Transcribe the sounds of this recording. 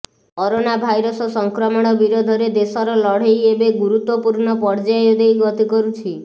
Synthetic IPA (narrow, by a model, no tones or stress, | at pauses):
kɔɾonabʱajɾɔsɔsɔŋkɾɔmɔɽ̃ɔbiɾod̪ʱɔɾed̪esɔɾɔlɔɽ̤ejebeɡuɾut̪wɔpuɾnɔpɔɾd͡ʒajɔd̪ejɡɔt̪ikɔɾut͡ʃʰi